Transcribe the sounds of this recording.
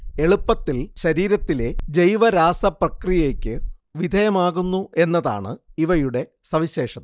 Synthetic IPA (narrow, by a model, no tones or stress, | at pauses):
e̞ɭupːɐt̪ːilɕɐɾiːɾɐt̪ːile̞d͡ʑejʋɐɾaːsɐprɐkrijɐeːkʲːɨʋid̪ʱɐjɐmaːɣunːuʔe̞nːɐða̰ːɳɨ̰iʋɐjuɽe̞ | sɐʋiɕe̞ːʂɐ